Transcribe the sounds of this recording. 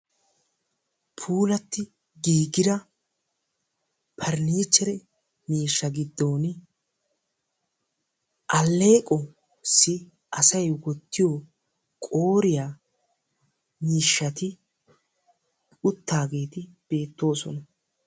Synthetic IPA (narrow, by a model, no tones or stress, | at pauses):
pʰuːlɐt̪ːɪ | ɡiːɡɪd̪ɐ | pʰɐɾniːt͡ʃːɛɾɛ | niːʃːɐɡɪd̪ːo̞ːn | ʔɐlːe̞ːkʼɔ | sɪ | ʔɐsɐjwɔt̪ːɪjo | kʼo̞ːɾɪjaː | niːʃːɐt̪ɪ | ʊt̪ːaːɡe̞ːt̪ɪb̥e̞ːt̪ːo̞ːsɔnɐ